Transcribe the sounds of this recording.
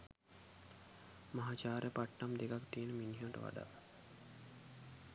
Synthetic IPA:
maɦaːt͡ʃaːɾepaʈːamd̪ekakt̪ienəminɦeʋɐʈə̰ʋa̰ɖa̰

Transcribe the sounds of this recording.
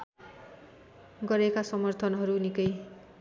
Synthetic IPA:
ɡʌɾekasʌmʌrt̪ʰʌnɦʌɾunikʌj

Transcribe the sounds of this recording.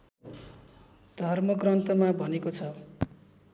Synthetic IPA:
d̪̥ʱʌrmʌɡrʌnt̪ʌmabʱʌnekot͡sʰʌ

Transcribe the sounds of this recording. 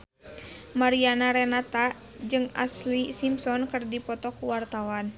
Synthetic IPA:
maɾianaɾɛnat̪a | d͡ʒɨŋa̰slisimsɔnkɨrdipɔt̪ɔkuwart̪awan

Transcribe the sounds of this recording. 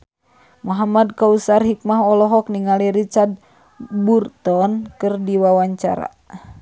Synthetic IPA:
mɔɦamad̚kausarɦik̚maɦɔlɔɦɔk̚niŋaliɾit͡ʃard̪̚ | burt̪ɔnkɨrdiwawaɲt͡ʃa̰ɾa̰

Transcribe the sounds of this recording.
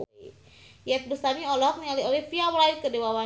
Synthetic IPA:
jɛt̪̚bəst̪amiɔlɔɦɔk̚nialiolifiawlaikədewawa

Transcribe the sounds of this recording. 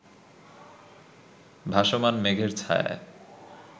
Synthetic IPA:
bʱaʃomanmeɡʱeɾt͡ɕʰa̰ja̰

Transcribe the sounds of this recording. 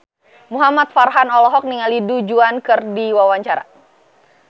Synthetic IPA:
muɦamat̪̚farɦanɔlɔɦɔk̚niŋalidud͡ʒuankɨrdiwawaɲt͡ʃaɾa̰

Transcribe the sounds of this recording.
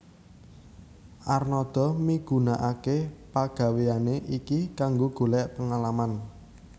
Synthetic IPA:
ʔarnɔd̪̥ɔ̤miɡ̥ṳnaʔakepaɡ̥ä̤weaneʔikikaŋɡoɡ̥o̤lɛʔpəŋalaman

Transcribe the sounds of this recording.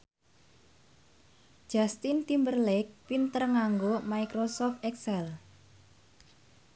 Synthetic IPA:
d̥d͡ʒʒ̥ast̪int̪imbərlɛk̚pint̪ərŋaŋɡomajkɾosɔft̪ɛksɛl

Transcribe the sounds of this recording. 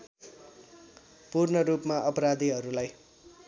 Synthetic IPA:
purnʌɾupmaʔʌpʌɾad̪ʱiɦʌɾulaj

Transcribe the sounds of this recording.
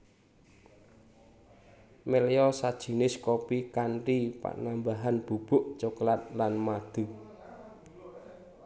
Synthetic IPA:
meleɔsad̥ʒ̥i̤nɪskopikanripa̰nambaɦanb̥ub̥ʊʔt͡ʃuklat̪̚lanmad̪̥ṳ

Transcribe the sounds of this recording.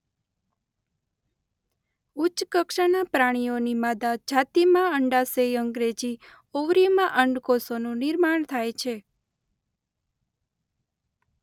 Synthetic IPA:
ut͡ʃkəkʃanapɾaɽ̃ijonimad̪ad͡ʒat̪imãəɳɖasejəŋɡɾed͡ʒi | oʋɾimãʔəɳɖkosonũnɪɾmaɳ̃t̪ʰajt͡ʃʰe

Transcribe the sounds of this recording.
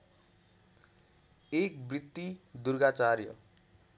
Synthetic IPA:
ek̚brit̪ːid̪urɡat͡sarjʌ

